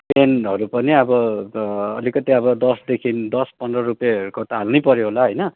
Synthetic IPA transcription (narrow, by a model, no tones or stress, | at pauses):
penʌɾupʌniʌbʌ | ʌ̰likʌt̪iʌbʌd̪ʌsd̪ekʰind̪ʌspʌndrʌɾupjeʌɾukot̪alnʌjpʌɾjoɦolaɦʌjnʌ